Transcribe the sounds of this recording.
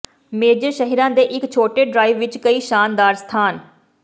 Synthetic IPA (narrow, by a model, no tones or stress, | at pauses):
meːd͡ʒəɾʃəɦɾãːd̪eːʔɪkt͡ʃʰoːʈeːɖɾaːɪʋʋɪt͡ʃkəiːʃaːnd̪aːɾst̪ʰaːn